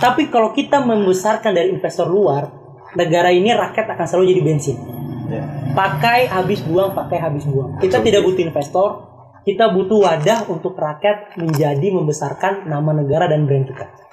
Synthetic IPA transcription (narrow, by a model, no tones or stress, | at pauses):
t̪apikalawkit̪aməmbəsarkandaɾiːnfɛst̪ɔrluar | nəɡaɾainirakɛt̪akanslalud͡ʒadibɛnsɪn | pakajɦabɪsbuaŋpakajɦabɪsbuaŋkit̪at̪idaʔk̚but̪uinfɛst̪ɔr | kit̪abut̪uwadahunt̪ʊkrakɛt̪̚məɲd͡ʒadiməmbəsarkanːamanəɡaɾadanbəɾɛnt̪ukat̪̚